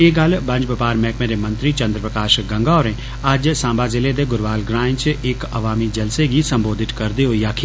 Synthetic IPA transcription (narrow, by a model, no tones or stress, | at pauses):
eːɡɐlbə̃ɲd͡ʒʋəpaːɾmɛːkmẽːɾeːmə̃nt̪ɾiːt͡ʃə̃nd̪ɾəpɾəkaːʃɡə̃ŋɡaːoɾẽː | ɐd͡ʒsãːmbaːzɪled̪eːɡʊɾʋaːlɡɾãːɪ̃nt͡ʃɪkɐʋaːmid͡ʒɐlseɡisə̃mboːd̪ʱɪt̪kɐɾd̪eɦoːijaːkʰiː